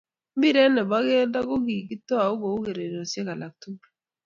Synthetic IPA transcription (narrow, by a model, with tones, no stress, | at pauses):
m̩˦bi˦ɾe˦nɛ˨ba˦ɡe˦da˦ɡo˦ɡi˨ki˦to˦a˨u˦ɡo˨u˦ɡe˨ɾe˨ɾo˨sje˦ka˨la˨k̚tu˦